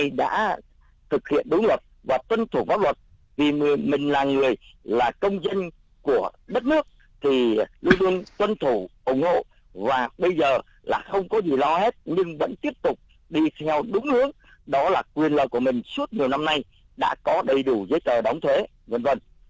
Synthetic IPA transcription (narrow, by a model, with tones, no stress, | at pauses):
jɗa̰ː˧˥ | t̪ʰɨ˨˩k̚hḭ˧˨ənɗʊ˨˦ŋ͡mlwə˨˩t̚vaː˨˩t̪wə˧nt̪ʰu˧˩vaː˨˦wlə˨˩t̚ | vi˨˩˨mï˨˩ŋ̟laː˨˩ŋɨ˨˩əjlaː˨˩kə˧wŋ͡mzə˧n | ku˧˩əɗə˦˥t̚nɨ˦˥ək̚ | t̪ʰi˨˩lu˧nlu˧ənt̪wə˧nt̪ʰu˧˩ʔʊ˧˩ŋ͡mho̰˧˨ | vaː˨˩ɓə˧jzəː˨˩ | la̰ː˨˩xə˧wŋ͡mkɔ˨˦zi˨˩lɔ˧he˦˥t̚ɲɨ˧ŋvə̰˧˥nt̪i˦˥əp̚t̪ʊ˨˩k͡p̚ | ɗi˧t̪ʰɛ˧wɗʊ˨˦ŋ͡mlɨ̰˧˥əŋ̚ | ɗɔ˨˦laː˨˩kwi˨˩ənlə̰ː˧˨jku˧˩əmï˨˩ŋ̟su˦˥ət̚ɲi˨˩əwna˧mna˧j | ɗa̰ː˧˥kɔ˨˦ɗə˨˩jɗu˧˩zəː˨˦jt͡ɕ̪əː˨˩ɗa˨˦wŋ͡mt̪ʰwe˨˦ | və˧nvə˧˩n